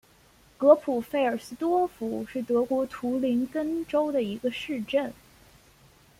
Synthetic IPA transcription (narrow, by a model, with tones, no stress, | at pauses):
kɤ˧˥pʰu˨˩fe˥˩ɪə˞˨˩sɹ̩˥t̪wɔ˥fu˨˩ʂɻ̩˥˩t̪ɤ˧˥kwɔ˧˥t̪ʰu˧˥li˧˥nkə˥nʈ͡ʂo˥ʊd̪ə˨i˧˥ɡə˧ʂɻ̩˥˧ʈ͡ʂə˥˩n